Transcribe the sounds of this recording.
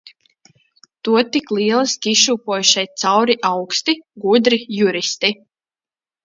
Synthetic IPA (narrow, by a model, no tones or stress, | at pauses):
t̪uɔt̪iklˠiɛlˠiskʲiʃuːpuɔjuʃajt̪sawɾiʔawkst̪iɡud̪ɾijuɾist̪i